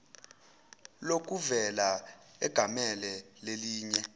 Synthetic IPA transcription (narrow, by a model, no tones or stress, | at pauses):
lok̬ʼuvɛlaɛ̰ɡ̥ʱamɛlɛleliːɲɛ